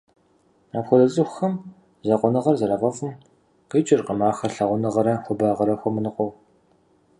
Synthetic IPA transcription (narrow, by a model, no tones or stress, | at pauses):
aːpxʷʊdɐt͡sʼɨxʷxɐm | zɐqʷɔnɨʁɐrzɐɾɐfɐfɨm | qiːt͡ʃʼɪrqəmaːxɐrɬɐʁʷʊnɨʁɐɾɐxʷʊbaːʁɐɾɐxʷɔmɨnɨqʷʼɔw